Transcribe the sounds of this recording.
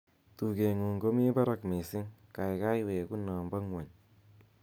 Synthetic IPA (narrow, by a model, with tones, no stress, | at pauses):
tu˨ke˨ŋu˨ŋɡo˦mi˦pa˦ɾa˦kme˨sɪ˦ŋka˨jka˦jwe˨ku˦nɔ˨mba˦ŋwa˨ɲ